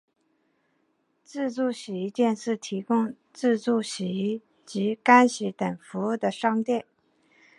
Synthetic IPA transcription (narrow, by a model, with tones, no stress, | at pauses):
t͡sɹ̩˥˧t͡su˥˩ɕi˨˧˥t̪jɛ˥˧nʂɻ̩˥˩t̪ʰi˧˥kʊ˥ŋ | t͡sɹ̩˥˧t͡su˥˩ɕi˧˩˥ | t͡ɕi˧˥ka˥nɕi˧˥t̪ə˨˩nfu˧˥u˥˩d̪ə˩ʂɑ˥ŋt̪jɛ˥˩n